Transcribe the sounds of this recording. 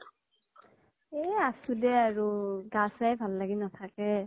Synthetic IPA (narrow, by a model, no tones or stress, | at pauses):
ɛasudɛaɹuɡasajbʱalːaɡinatʰakɛ